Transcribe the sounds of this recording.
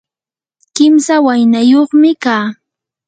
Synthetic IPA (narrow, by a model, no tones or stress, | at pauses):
kɪmsawajnajoχmɪkaː